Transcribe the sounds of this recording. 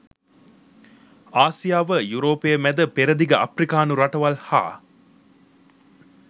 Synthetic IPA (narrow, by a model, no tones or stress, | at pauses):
aːsijaːʋəjuɾoːpejəmæd̪əpeɾəd̪iɡəʔɐfrikaːnuɾaʈɐʋalha̰ː